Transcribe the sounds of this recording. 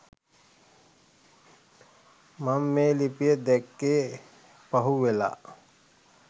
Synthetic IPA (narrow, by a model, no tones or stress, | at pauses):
mamːeːlipijəd̪ɛkːeː | pɐɦuʋela̰